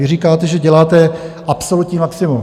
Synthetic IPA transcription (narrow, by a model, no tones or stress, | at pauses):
ɪriːkaːt̪ɛʒɛɟɛlaːt̪ɛʔapsolut̪ɲiːmaksɪmum